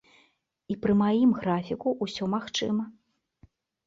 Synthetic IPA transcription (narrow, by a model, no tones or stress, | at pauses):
ipɾɨmajimɣɾafʲikuʔusʲɔmaxt͡ʂɨmɐ